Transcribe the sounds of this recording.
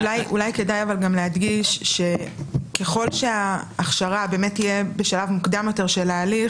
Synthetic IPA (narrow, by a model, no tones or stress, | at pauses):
lajulajke̞dajavalɡamleɦadɡiʃʃe̞ke̞χo̞lʃeaːχʃaʁabe̞ːme̞tːijebeʃalavmukdamjo̞te̞ʁʃelaːli